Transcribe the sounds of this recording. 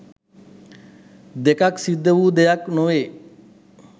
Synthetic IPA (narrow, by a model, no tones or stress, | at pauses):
d̪ekaksid̪ʱːəʋuːd̪ejaknoʋeː